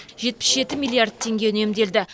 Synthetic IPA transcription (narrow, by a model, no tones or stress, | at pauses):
ʒe̞t̪̚pɪ̥sʒe̞t̪ɪmilˠijard̪̚t̪ʰe̞ŋɡʲe̞ʏne̞md̪e̞ld̪ɪ